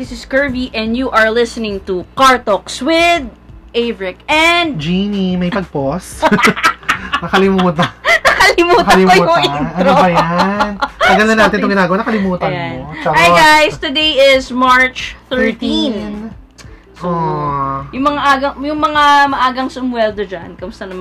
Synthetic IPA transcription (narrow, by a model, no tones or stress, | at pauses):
ðɪsɪskɜɹviʔɛ̃nd̪juʔɐɹlɪsənɪ̃ŋt̪ukaɹt̪ok̚swɪd̪̚ | ʔɛjvɹɪkɛnd̪d͡ʒinimɐjpɐɡ̚pos | nɐkɐlɪmuːt̪ɐnɐkɐlɪmuːklɪmɐuːɐɐnoɐjanɐɡɐlɐnaːt̪ɪnt̪oŋɡɪnaːɡɐwanɐkɐlɪmuːt̪ɐjant͡ʃɐajɡajst̪ʊd̪ejɪzmaɹt͡ʃθɛɹt̪in | so | jʊŋmɐŋaʔaːɡɐŋjʊŋmɐŋamɐʔaːɡɐŋsʊmwɛld̪od͡ʒankɐmʊst̪ɐnɐmɐ